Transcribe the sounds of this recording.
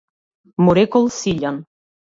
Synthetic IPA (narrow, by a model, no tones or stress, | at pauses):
muɾekolˠsiʎʲan